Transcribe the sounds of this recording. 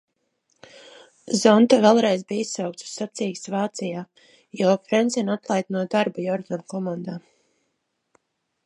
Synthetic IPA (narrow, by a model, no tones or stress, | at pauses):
zɔnt̪avɛlˠɾɛjzbiːissawk̚t̪su̥ssːat̪siːksvaːt̪sijaː | jɔːfɾɛnsʲinat̪lˠajt̪̚nuɔd̪aɾbajɔɾd̪ankɔmand̪aː